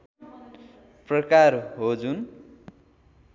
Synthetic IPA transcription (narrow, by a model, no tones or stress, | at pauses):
prʌkarɦod͡zun